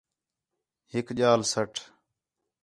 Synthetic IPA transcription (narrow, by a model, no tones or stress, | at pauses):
ɦɪkʄaːlsəʈʰ